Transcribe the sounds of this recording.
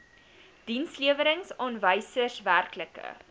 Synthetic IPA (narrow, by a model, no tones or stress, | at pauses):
d̥insliəvəɾəŋsɔnvəjsərsværkləkə̰